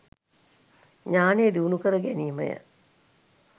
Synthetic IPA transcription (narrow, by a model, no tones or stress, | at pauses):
ɲaːnejed̪iunukəɾəɡæniːmə̰jə̰